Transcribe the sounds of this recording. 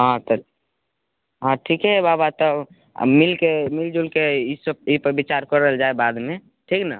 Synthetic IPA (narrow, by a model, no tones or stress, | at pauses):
ɦãt̪ə | ɦãʈʰikɦɛbabat̪ɔ̰ | milkemild͡ʒulkeisəb̚ipəɾbit͡ʃaɾkəɾəɦeld͡ʒaebad̪me | ʈʰiːkna